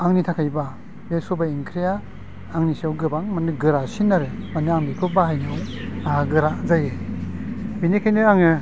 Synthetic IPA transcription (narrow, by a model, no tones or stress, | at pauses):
aŋnitʰakʰajba | besɔbaiŋkʰɾijaː | ŋnisiawɡɯbaŋmanɯɡɯɾasinaɾɯmanɯaŋbikʰɯbahajnɯwaɦaɡɯɾazaje | binekʰajnɯaŋɯ